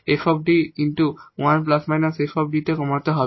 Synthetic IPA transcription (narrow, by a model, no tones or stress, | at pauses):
efʰɔb̚ɖiinʈuwanplasmajnasefʰɔb̚ɖiʈ̪ekɔmat̪oɦɔ